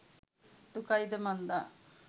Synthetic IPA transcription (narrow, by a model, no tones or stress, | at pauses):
d̪ukajd̪emɐnd̪a